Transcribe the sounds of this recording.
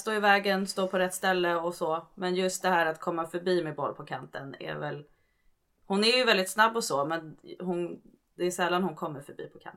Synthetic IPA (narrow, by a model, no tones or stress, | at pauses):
st̪oːɪvɛːɡənst̪oːpʰɔɾɛt̪ːst̪ɛlːəɔsɔmɛnjɵst̪̚d̪ɛɦæːɾat̪kʰɔmːafœɾbiːmɛbɔ̰lːpʰɔkʰant̪ənɛ̰ɾvɛl | hʊnæɾjɵvɛld̪ɪt̪snabːɔsɔːmɛnhʊn | d̪ɛːsɛlːanhʊnkʰɔmːəɾfœɾbḭːpʰɔkʰa̰n